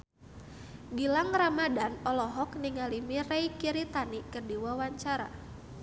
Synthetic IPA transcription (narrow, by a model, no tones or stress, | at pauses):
ɡilaŋramadanɔlɔɦɔkniŋalimirɛjkiɾit̪anikɨrdiwawaɲt͡ʃaɾa̰